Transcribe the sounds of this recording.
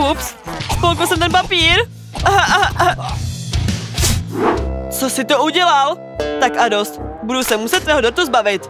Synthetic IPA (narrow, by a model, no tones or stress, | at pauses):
upsspolkəlsɛmt̪ɛnpapiːɾ | t͡sosɪt̪ouɟɛlal | t̪akʔadost̪budusɛmusɛt̪̚t̪ːvɛːɦodoɾt̪uzbavɪt̪